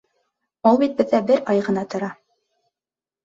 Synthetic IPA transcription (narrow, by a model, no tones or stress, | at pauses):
ulˠbit̪̚bɘ̆ðːæbɘɾɑjʁɤ̆nɑt̪ŏɾɑ